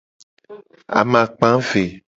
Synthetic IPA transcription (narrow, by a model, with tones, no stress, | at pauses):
a̰˨mã˨k͡pã˦ve˨